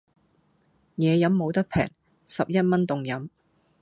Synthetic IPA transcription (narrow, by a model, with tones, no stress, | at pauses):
jɛː˨˧jɐ˨˧˥mːo˨˧wt̪ɐ˥k̚pʰɛ̰ː˨˩ŋ | sɐ˨p̚jɐ˥t̚mɐ˥nt̪ʊ˨ŋjɐ˨˥m